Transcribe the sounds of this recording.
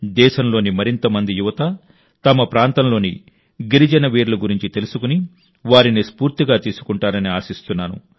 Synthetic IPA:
d̪ɛːʃɐmlo̞ːnimɐɾint̪ɐmɐnd̪ijuʋɐt̪ɐ | t̪ɐmɐpɾaːnt̪ɐmlo̞ːni | ɡiɾid͡ʒɐnɐʋeːɾuluɡuɾiɲt͡ʃit̪e̞lusukuni | ʋaːɾinispuːɾt̪iɡaːt̪iːsu̥kuɳʈaːɾɐniaːsist̪unːaːnṵ

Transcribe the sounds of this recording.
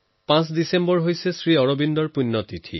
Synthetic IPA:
pãs̬disembɔɹɦojsesɹiɔɹobindɔɹpunːɔt̪itʰḭ

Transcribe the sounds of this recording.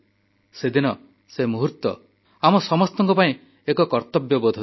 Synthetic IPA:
sed̪inɔ | semuɦut̪ːɔ | amɔsɔmɔst̪ɔŋkɔpaĩ | ekɔkɔɾt̪ɔbjɔbɔd̪ʱ

